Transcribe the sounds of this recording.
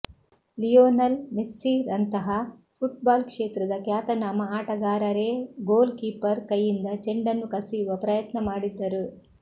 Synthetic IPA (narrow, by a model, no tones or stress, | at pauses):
lijoːnɐlmesːiːɾɐnt̪ɐɦɐ | pʰuʈ̚baːlkʂeːt̪ɾɐd̪ɐkjaːt̪ɐnaːmɐaːʈɐɡaːɾɐɾeːɡoːlkiːpɐɾkɐjːind̪ɐt͡ʃeɳɖɐnːukɐsijuʋɐpɾɐjɐt̪nɐmaːɽid̪ːɐɾu